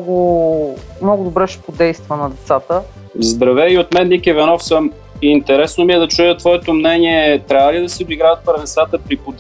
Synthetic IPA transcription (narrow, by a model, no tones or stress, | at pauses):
ɡʊ | mnɔɡʊd̪ʊbɾɛʃɛ̥pod̪ɛjst̪vənɐd̪ɛt̪sat̪ə | zd̪ɾɐvɛiot̪mɛnnikɛvɛnɔfsəmː | nt̪ɛɾɛsnomiɛd̪ɐt͡ʃujət̪vɔɛt̪omnɛniɛt̪ɾavəlid̪ɐsɛod̪iɡɾaət̪̚pɾɛvɛnsat̪əpɾipod̪